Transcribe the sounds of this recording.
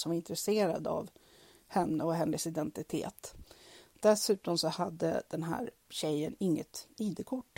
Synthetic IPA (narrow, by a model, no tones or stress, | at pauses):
sɔmvaɾɪnt̪ɾɛseːɾa̰d̪a̰v | hɛnːəɔɦɛnːəsɪd̪ɛnt̪ɪt̪ʰḛːt̪ | d̪̥ɛsʉ̟ːt̪ɔmsɔhad̪ːə̰d̪̥ɛnɦæ̰ːɾɕɛjːənɪŋːət̪iːd̪əkʰʊʈː